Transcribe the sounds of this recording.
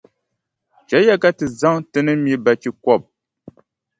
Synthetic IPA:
t͡ʃa˨˦ja˦ka˦tɨ˨za˦ŋtɨ˦nə˦mji˨˦ba˨ki˨kwɔ˦˨p̚

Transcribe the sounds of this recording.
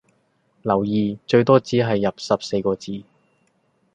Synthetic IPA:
lɐ˨˩wjiː˨t͡ʃɵ˧ɥt̪ɔː˥t͡siː˨˥ɦɐ˨jːɐ˨p̚sɐ˨p̚se˧jkɔː˧t͡siː˨˧

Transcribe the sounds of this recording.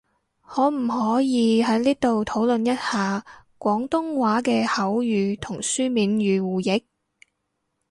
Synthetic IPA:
hɔː˨˧˥m̩˨˩hɔː˨˥jiː˨˧ɦɐ˨˥jniː˥t̪o˨wt̪ʰo˨˥wlɵ˨njɐ˥t̚haː˨˧kʷɔː˨˥ŋt̪ʊ˥ŋwaː˨˥kɛː˧hɐ˨˥wjyː˨˧t̪ʰʊ˨˩ŋsyː˥miː˨˧nɥyː˨˧wuː˨jɪ˨˥k̚

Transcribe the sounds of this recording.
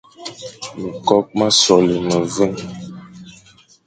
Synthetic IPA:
mi˨kɔ˦k̚ma˦sɔ˨lə˨mə˨və˦ŋ

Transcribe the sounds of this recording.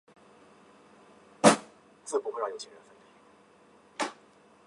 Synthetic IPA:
t͡sɹ̩˥˧pu˥˩xwjjo˨˩ʊt͡ɕʰi˧˥˩ɻə˧˦nfə˥˩nt̪i˨˩

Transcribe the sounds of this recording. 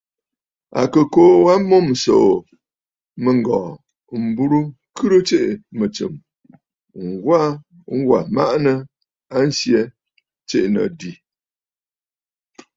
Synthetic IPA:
a̰˨kə˨koː˨˦wa˦mo˦˨mso̰˨ | mə˨ŋ˨ɡɔː˨ | m̩˨bu˦ɾu˦ | kʰɨ˦ɾɨ˦t͡ʃe˦ʔmə˨t͡sɨ̰˨m | ŋ̩˨ɡwa˦ | ŋ̩˦ɡwa˨ma̰˦ʔnə˦ | a˦n̩˦sje˦ | t͡ʃḛ˦˨ʔnə̰˨di˨

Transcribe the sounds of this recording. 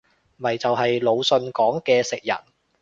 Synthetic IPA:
mɐ˨˩jt͡sɐ˨wɦɐ˨jlo˨˧wsɵ˧nkɔː˨˥ŋkɛː˧sɪ˨k̚jɐ̰˨˩n

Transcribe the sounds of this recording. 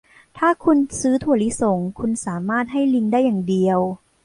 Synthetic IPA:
t̪ʰaː˥˩kʰu˧nsɯː˦˥t̪ʰu˧˩ɐli˦˥so˨˩˦ŋkʰu˧nsaː˩˦maː˥˩t̪̚ɦa˥˩jli˧ŋdaː˥˩jːaː˨˩ŋdi˧əw

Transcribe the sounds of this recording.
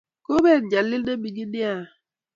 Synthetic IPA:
ko˦be˦˨d̚d͡ʒa˨lːi˦lde˦bi˨ɡi˦di˦a˦˨

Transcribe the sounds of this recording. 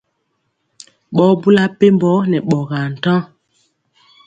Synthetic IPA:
ɓɔ˨˦bu˦la˦pe˦mbɔ˨˦nɛ˨ɓɔ˨ɣa˨n̩˨tã˦

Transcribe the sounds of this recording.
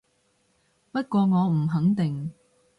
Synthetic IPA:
pɐ˥t̚kʷɔː˧ŋɔː˨˧m̩˨˩ɦɐ˨˥ŋt̪ɪ˨ŋ

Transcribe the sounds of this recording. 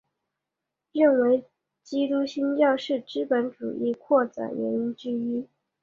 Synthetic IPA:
ɻə˥˩nwe˧˥ɪ | t͡ɕi˥t̪u˥ɕi˥nt͡ɕjɑ˥˧ʊʂɻ̩˥˩ʈ͡ʂɻ̩˥pə˧˥nʈ͡ʂṵ˨˩ʔi˥˩kʰwɔ˥˩t͡sa̰˨˩ɻɛ̰˧˥ni˥nt͡ɕ̩˥y˥

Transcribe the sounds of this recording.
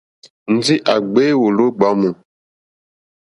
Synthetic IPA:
n̩˨d͡zi˦ʔa˨ɡ͡be˦wo˨lo˦ɡ͡ba˨˦mu˨

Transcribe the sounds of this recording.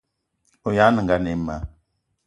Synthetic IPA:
o˨ja˦nə˨ŋ˨ɡa˦ne˨˦ma˨˦

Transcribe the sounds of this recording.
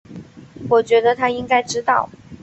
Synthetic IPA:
wɔ˨˩t͡ɕɥɛ˧˥d̪ə˧t̪ʰa˥i˥ŋka˥ɪʈ͡ʂɻ̩˥t̪ɑ˥˩ʊ

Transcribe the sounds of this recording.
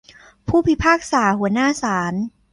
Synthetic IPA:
pʰuː˥˩pʰi˦˥pʰaː˥˩k̚saː˩˦hu˨˩˦ɐnaː˥˩saː˩˦n

